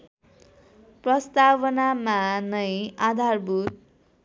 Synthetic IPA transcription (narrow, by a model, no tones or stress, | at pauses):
prʌst̪awʌnamanʌjad̪ʱarbut̪̚